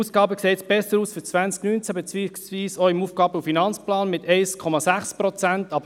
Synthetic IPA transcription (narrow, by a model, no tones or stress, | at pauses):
uːsɡ̥ɑːbəkseːtsb̥ɛsːəɾuːsfyt͡sʋænt͡sknynt͡sæbɛt͡siːsviːsoɪmuːfɡ̥ɑːbəufinɑnt͡splɑːnmɪtɛɪskʰɔmɑsæχspʁɔt͡sæntɑb